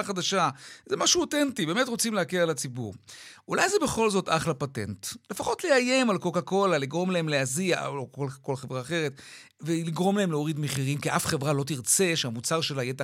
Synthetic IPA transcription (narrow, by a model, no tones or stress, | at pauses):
χad̪aʃazemaʃuotentibemetʁo̞t͡simleakeʁalat͡sibṵʁʔulajzebeχo̞lzo̞taχlapatḛntle̞faχo̞tleaje̞malkokako̞laliɡʁo̞mlae̞mleazia̰okolkolχevʁaːχe̞ʁet | veliɡʁo̞mlae̞mleo̞ʁid̪meχiʁimkiʔafχevʁalo̞t̬iʁt͡se̞ʃeamut͡saʁʃe̞laijeta